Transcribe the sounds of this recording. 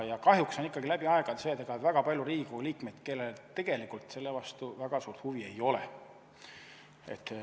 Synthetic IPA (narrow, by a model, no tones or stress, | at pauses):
jɑkɑɦjuksonikːɑɡ̥ilæb̥iɑe̞ɡ̥ɑt̪seːt̪eɡ̥ɑet̪væɡ̥ɑpɑljuɾiːɡuliːkme̞d̪̥ke̞lːelt̪e̞ɡ̥e̞likˑult̪se̞lːevɑst̪uvæɡ̥ɑsuːrt̪huvie̞jo̞lḛ | e̞̰t̪ː